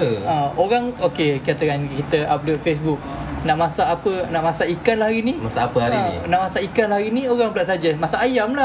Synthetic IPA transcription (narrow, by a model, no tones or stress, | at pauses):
əãoɾaŋokekiat̪əkankit̪əablofes̬buk̚ | naʔmasaːpənaʔmasaʔikanlahɾinimasaːpəaɾinḭnaʔmasaʔikanlahɾinĩoɣaŋpəlaʔs̬ad͡ʒəmasaːjamlah